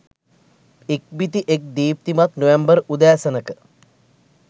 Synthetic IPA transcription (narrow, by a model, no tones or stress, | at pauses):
ek̚bit̪iʔek̚d̪iːp̚t̪imat̪noʋembərud̪æːsənəkə